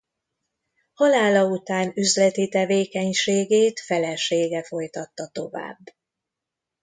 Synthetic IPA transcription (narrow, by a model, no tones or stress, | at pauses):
hɒlaːlɒut̪aːnyzlɛt̪it̪ɛveːkɛɲʃeːɡeːt̪fɛlɛʃeːɡɛfo̞jt̪ɒt̪ːɒt̪o̞va̰ːbː